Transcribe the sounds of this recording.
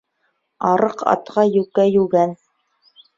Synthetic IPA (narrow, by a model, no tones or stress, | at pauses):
ɑɾɤqɑ̰t̪qɑjʉkæjʉɡæn